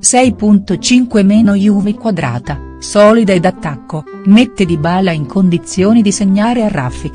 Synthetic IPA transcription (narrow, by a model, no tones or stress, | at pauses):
sɛjpunt̪ot͡ʃiŋkwemɛːnojuːvekwad̪ɾa̰ːt̪a | sɔːlid̪aed̪at̪ːakːo | met̪ːed̪ibaːlaiŋkʰond̪it̪sːjoːnid̪iseɲːaːɾearːa̰fːik